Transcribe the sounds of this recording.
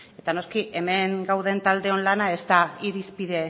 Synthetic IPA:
e̞t̪ano̞skiʔe̞me̞ŋɡawðe̞nt̪ald̪e̞o̞nlanae̞st̪aiɾispiðe̞

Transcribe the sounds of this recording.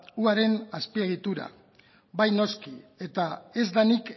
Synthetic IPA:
uaɾe̞naspie̞ɣit̪uɾa̰ | bajno̞skie̞t̪ae̞zd̪anik

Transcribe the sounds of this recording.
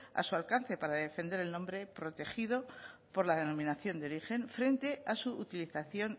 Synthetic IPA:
a̰sualkan̟θe̞paɾaðe̞fe̞nd̪e̞ɾe̞lnõ̞mbɾe̞pɾo̞t̪e̞xið̞o̞po̞ɾlaðe̞nõ̞mĩnaθjo̞nd̪eo̞ɾixe̞ɱfɾe̞nt̪e̞asuut̪iliθaθjo̞n

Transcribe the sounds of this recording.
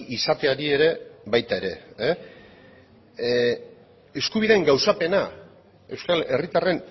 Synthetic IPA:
isat̪eaɾie̞ɾe̞βajt̪ae̞ɾe̞̰ | e̞skuβ̞iðe̞ːŋɡawsape̞na | e̞wskale̞rit̪are̞n

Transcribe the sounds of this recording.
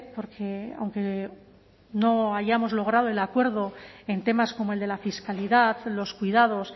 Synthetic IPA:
po̞ɾkʰe̞a̰wŋke̞ | no̞aʝamo̞zlo̞ɣɾað̞o̞e̞lakwe̞ɾðo̞e̞nt̪e̞masko̞moe̞ld̪e̞lafiskaliðaðlo̞skwiðað̞o̞s

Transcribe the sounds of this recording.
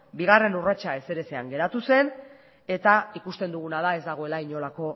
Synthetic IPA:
biɣ̞are̞nurat͡ʃae̞se̞ɾe̞se̞aŋɡe̞ɾat̪use̞n | e̞t̪aikust̪e̞nd̪uɣ̞unaðae̞zd̪aɣ̞o̞e̞laiɲo̞lako̞

